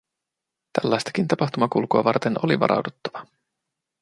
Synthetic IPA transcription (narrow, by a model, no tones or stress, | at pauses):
t̪ælːɑjst̪ɑ̥kint̪ɑpɑxt̪umɑkulkuɑ̰ʋɑrt̪e̞no̞liʋɑ̰ɾʔɑ̰wdut̪ːɑʋɑ